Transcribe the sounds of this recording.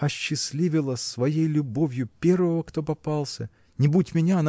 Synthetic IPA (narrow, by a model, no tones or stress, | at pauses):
ɐɕːɪsʲlʲivʲɪlˠəsːvɐjejlʲʊbo̞vʲjʊpʲe̞rvəvəkt̪o̞pɐpɑlˠsʲə | nʲɪbutʲmʲɪnʲaɐn